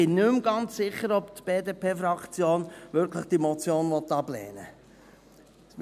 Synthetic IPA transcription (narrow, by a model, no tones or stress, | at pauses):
ɪnːʉmɡɑnt͡sːɪχːəɾɔbt̪b̥eːdeːpʰeːfɾɑkt͡sjoːnʋɪɾkʰləχd̥imɔt͡sjoːnʋɔt̪ːɑblɛ̰ːnə